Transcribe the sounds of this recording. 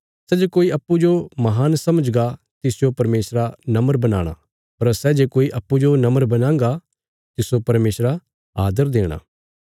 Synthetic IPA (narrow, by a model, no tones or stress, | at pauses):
sɛd͡ʒekoːiɐpːud͡ʒomɐɦaːnsɐməd͡ʒɡa | t̪ɪsd͡ʒopɐɾmeːsɾanɐməɾbɐna̰ːɽ̃a̰ | pɐɾsɛd͡ʒeːkoːiʔɐpːud͡ʒonɐməɾbɐnãːŋɡa | t̪ɪsopɐɾmeːsɾa | aːd̪əɾd̪eːɽ̃a̰ː